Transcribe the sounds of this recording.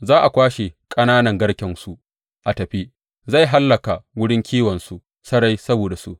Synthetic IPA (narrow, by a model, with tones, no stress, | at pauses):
zaː˦ʔa˨kʷaː˦ʃe˨kʼɐ˦naː˦nɐ˨ŋɡɐ˦ɽkʲɪ˨nsu˦ | ʔa˨tɐ˨ɸi˦ | za˦˨jɦa˦lːɐ˨ka˨wʊ˦ɽɪ˦ŋkʲʰiː˦wɐ˨nsu˦ | sɐ˦ɽa˦jsɐ˦boː˨da˨sṵ˦ʔ